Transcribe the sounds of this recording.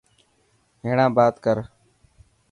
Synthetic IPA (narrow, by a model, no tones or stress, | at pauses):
ɦeːɳãːbaːt̪kəɾ